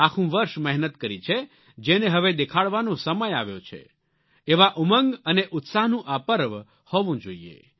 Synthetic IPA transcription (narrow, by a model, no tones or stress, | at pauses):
akʰũʋəɾʃmɛɦnət̪kəɾit͡ʃʰe | d͡ʒeneɦəʋed̪ekʰaɭʋanõsəməjaʋjo̰t͡ʃʰḛ | eʋaʔuməŋɡəneʔʊt̪saɦnũʔapəɾʋ | hɔʋũd͡ʒoiḛ